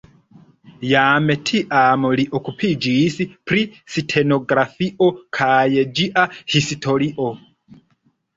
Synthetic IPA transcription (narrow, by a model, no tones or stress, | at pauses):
jamɛtʰiʔamɔliʔɔkʰupʰid͡ʒisipʰɾisitʰɛnɔɡɾafiʔɔkʰajɛd͡ʒiʔahisitʰɔɾiʔɔ